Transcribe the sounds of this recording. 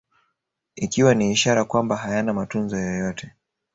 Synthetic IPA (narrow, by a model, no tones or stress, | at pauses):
ikiwaniːʃaɾakwambaɦajanamatunzɔjɔjɔtɛ